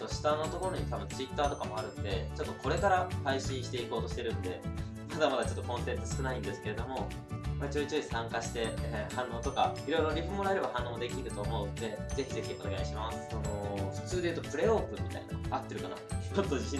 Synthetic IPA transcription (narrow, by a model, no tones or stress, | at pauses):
t̪o̞ɕi̥t̪anːot̪o̞ko̞ɾo̞ɲ̟it̪abɯ̟̃nt͡sɨit̪ːaːt̪o̞kamo̞aɾɯ̟̃nd̪e̞t͡ɕo̞t̪ːo̞ko̞ɾe̞kaɾahaiɕĩɰ̃ɕi̥t̪e̞iko̞ːt̪o̞ɕi̥t̪e̞ɾɯ̟̃nd̪e̞ | mad̪amad̪at͡ɕo̞t̪ːo̞kõ̞nsẽ̞nt̪osɨ̥kɯ̟naĩnd̪e̞sɨ̥ke̞ɾe̞d̪o̞mo̞ | mat͡ɕɨːt͡ɕɨːisãŋkaɕi̥t̪e̞hãnːo̞ːt̪o̞kaiɾo̞iɾo̞ɾʲiɸemo̞ɾaeɾe̞bahãnːo̞ːd̪e̞kʲiɾɯ̟t̪o̞ːmo̞ɯt̪ːe̞ze̞çʲize̞çʲio̞ne̞ɡaiɕimasɨ̥sonoɸɯ̥t͡sɨːd̪e̞jɯ̟t̪opɯ̟ɾe̞oːkɯ̟̃mʲit̪a̰ina̰at̪ːeɾɯkana̰mot̪ːo̞ʑiɕĩ